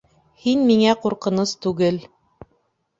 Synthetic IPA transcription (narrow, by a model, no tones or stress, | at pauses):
hinmiŋæquɾqɤ̆nost̪ʉɡɘl